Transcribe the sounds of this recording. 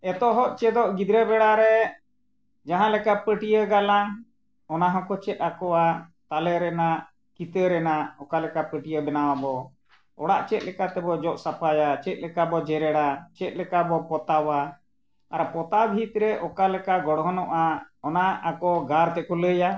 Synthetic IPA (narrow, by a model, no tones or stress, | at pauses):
ɛt̪ɔɦɔʔt͡ʃɛd̪ɔʔɡid̪ɾɛbɛɽaɾɛ | d͡ʒaɦãlɛkapəʈijəɡalaŋ | ɔnaɦɔ̃kɔt͡ʃɛt̪̚ˀakɔwat̪alɛɾɛnaʔ | kit̪əɾɛnaɔkalɛkapəʈijəbɛnawabɔ | ɔ̰ɽaʔt͡ʃɛt̪̚lɛkat̪ɛbɔd͡ʒɔʔsapajat͡ʃɛt̪̚lɛkabɔd͡ʒɛɾɛɽat͡ʃɛt̪̚ˀlɛkabɔpɔt̪awa | aɾpɔt̪abʱit̪ɾɛʔɔkalɛkaɡɔɽɦɔnɔʔaɔnaakɔɡaɾt̪ɛkɔləja